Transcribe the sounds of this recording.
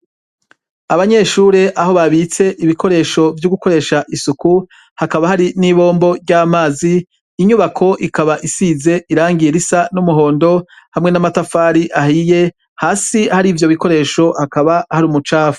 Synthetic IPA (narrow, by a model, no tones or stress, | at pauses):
aβaɲe̞ːʃuːɾeʔaɦo̞βaβit͡se̞ʔiβikʰo̞ɾe̞ːʃo̞vjuɡuko̞ɾe̞ːʃaʔisuku | hakaβahaɾiniβo̞ːmbo̞ɾɟaːmaːziː | ɲuβakʰo̞ʔikaβaʔisiːze̞ʔiɾaːŋɡiɾisanumuɦo̞ːndo̞ | hamŋe̞namatafaːɾiʔaɦije̞ | haːsihaɾiːvjo̞βiko̞ɾe̞ːʃo̞hakaβahaɾumut͡ʃaːfu̥